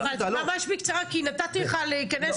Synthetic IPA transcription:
valalamaʃbikt͡saʁakinat̪at̪ileχaleikanes

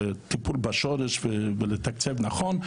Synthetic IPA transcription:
t̪ipulbaʃɔɾɛʃvəvɪlət̪akt͡sɛvnaχɔn

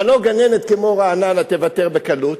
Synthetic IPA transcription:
alo̞ɡanenet̪̚kemo̞ʁaːnanat̪evateʁbe̞kalut

